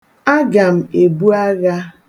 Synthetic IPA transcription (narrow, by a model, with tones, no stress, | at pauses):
a˦ɡa˨m̩˨e˨bu˦a˦ɣa˦